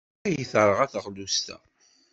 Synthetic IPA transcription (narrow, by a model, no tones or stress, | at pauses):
æjəθəɾˤəʁæθʁlust̪æ̰